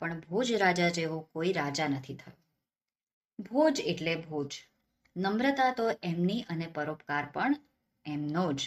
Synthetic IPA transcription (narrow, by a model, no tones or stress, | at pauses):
pəɳbʱod͡ʒɾad͡ʒad͡ʒeʋõkoiɾad͡ʒanət̪ʰit̪ʰəjũ | bʱod͡ʒeʈlebʱod͡ʒ | nəmɾət̪at̪oʔɛmniʔənepəɾopkaɾpəɳ | ɛmnod͡ʒ